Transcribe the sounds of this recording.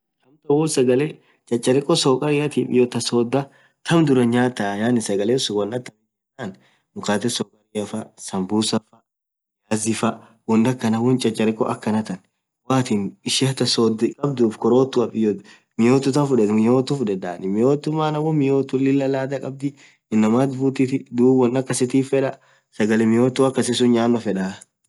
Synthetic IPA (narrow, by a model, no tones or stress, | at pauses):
t̪ɐmt̪ɐwuːsɐɡɐle | t͡ʃʼɐt͡ʃʼːɐɾɪkʼːɔsɔːkʼɐɾɪjɐt̪ipɪ̰jot̪ɐsoːd̪ːɐ | t̪ʰɐmd̪ʊɾɐɲaːt̪ɐjaːnɪsɐɡɐleːsʊwɔnːɐt̪ːɐmɪɛnaːn | mʊkaːt̪ɛsɔkʼɐɾɪjɐfɐsɐmbuːsɐfɐ | jaːzɪfɐ | hʊnd̪ɐkːɐnɐwʊnt͡ʃʼɐt͡ʃʼːɐɾɪkʼɔʔɐkːɐnɐt̪ɐn | waːt̪inɪʃɪɐt̪ɐsɔd̪ɪkʼɐb̚d̪uːfkɔɾoːt̪ːʊɐpʼɪjɔ | mɪjoːt̪ːʊt̪ɐfʊᶑɛmɪjoːt̪ːʊfʊᶑɛd̪aːnɪmɪjoːt̪ːʊmːaːnɐwɔmɪjoːt̪ːʊlɪlːɐlaːd̪ɐkʼɐb̚d̪ɪ | ɪnːɐmaːt̪buːt̪ɪt̪ɪd̪uːbwɔnːɐkːɐsɪt̪iːfːɛᶑɐ | sɐɡɐlɛmɪjoːt̪ːuɐkːɐsɪsʊnɲaːnːɔfɛᶑaː